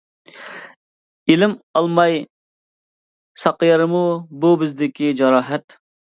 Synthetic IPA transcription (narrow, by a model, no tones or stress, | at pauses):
ilɪmɑlˠmɑj | sɑqjɑɾɨmububɪzd̪ɪkʲid͡ʒɑɾɑːɦɛt̪